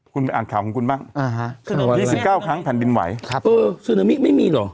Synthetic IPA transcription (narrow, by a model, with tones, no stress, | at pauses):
kʰu˧npa˧ʔaː˨˩nkʰaː˨˩wkʰɔ˨˦ŋkʰu˧nbaː˥˩ŋa˧ɦa˦˥ɯ˧˩˨jiː˥˩si˨˩p̚kaː˥˩wkʰɾa˦˥ŋpʰɛː˨˩ndi˧nwa̰˩˦jkʰa˦ʔɤː˧snɤː˨˦mi˦˥ma˥˩jmiː˧lɔ˨˩